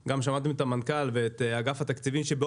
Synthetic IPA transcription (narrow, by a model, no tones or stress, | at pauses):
ɡamʃamat̪emet̪amankalveet̪aɡafhat̪akt͡sivimʃebe